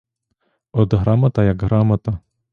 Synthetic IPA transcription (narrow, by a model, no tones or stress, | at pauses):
ɔd̪ɦɾamɐt̪ɐjɐkɦɾɑmɐt̪ɐ